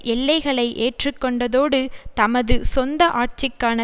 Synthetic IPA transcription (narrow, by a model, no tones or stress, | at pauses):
ʔɛɭːɐɪɣɐɭɐɪʔeːʈrɯkːɔɳɖɐðoːɽɯt̪ɐmɐðɯsɔnd̪ɐʔaːʈ̚t͡ʃɪkːaːnɐ